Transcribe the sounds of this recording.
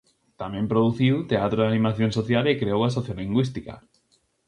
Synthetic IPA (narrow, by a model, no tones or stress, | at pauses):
t̪amẽmpɾoðuθiwt̪eat̪ɾoðanĩmaθjõnsoθjalekɾeowasoθjoliŋɡwist̪ika̰